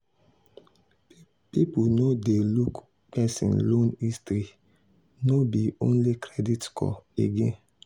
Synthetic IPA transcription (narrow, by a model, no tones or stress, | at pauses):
pipunodeluk | pɛsḭ̃nlõnistɾi | nobiõ̰nlikɹɛditkʰɔ̰eɡẽn